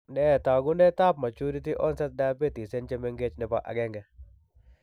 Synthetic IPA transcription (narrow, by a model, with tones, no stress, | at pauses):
nɛ˦t̪a˨ɡʊ˦ndɛ˦t̪a˦pma˨t͡ʃu˦ɾi˦ti˦ʔɔ˦nsɛ˦t̪̚da˦pe˦t̪i˨se˦nt͡ʃe˦mɛ˦ŋɡe˦t͡ʃnɪ˨pa˨ʔa̰˨ɡɛ˦ŋɡɛ˨